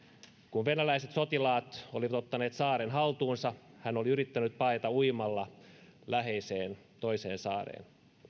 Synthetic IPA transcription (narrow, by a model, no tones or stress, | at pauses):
kunʋenælæiset̪sot̪ilɑːt̪o̰liʋɑt̪ot̪ːɑne̞ːt̪sɑːɾenɦɑlt̪uːnsɑhæno̞liyɾit̪ːænyt̪̚pɑjt̪ɑujmɑlːɑlæɦeiseːn | t̪o̞iseːnsɑːrḛːn